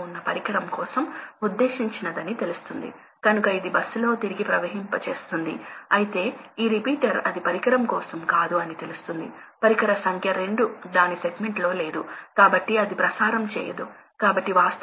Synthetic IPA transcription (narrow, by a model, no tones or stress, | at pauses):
unːɐpɐɾikɐɾɐmkɔːsɐmud̪ːe̞ːʃiɲt͡ʃinɐd̪ɐnit̪e̞lust̪und̪ḭ | kɐnukɐid̪ibɐsːulo̞ːt̪iɾiɡipɾɐʋɐɦimpɐt͡ʃe̞̰ːst̪und̪ḭɐjit̪e̞ːiːɾipiːʈɐɾɐd̪ipɐɾikɐɾɐmkɔːsɐmkaːd̪uɐnit̪e̞lust̪und̪ḭpɐɾikɐɾɐsɐŋkʰjɐɾe̞ɳɖud̪aːnise̞ɡme̞ɳʈlo̞ːle̞ːd̪ukaːbɐʈːiɐd̪ipɾɐsaːɾɐmt͡ʃɛ̰ːjɐ̰d̪u | kaːbɐʈːiʋaːst̪